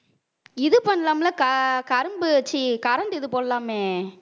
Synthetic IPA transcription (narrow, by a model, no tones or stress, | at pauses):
ɪðɯpɐɳːɐlaːmlɐkɐkɐɾɯmbɯt͡ʃːikɐɾɐɳɖɪðɯpoːɽɐlaːmeː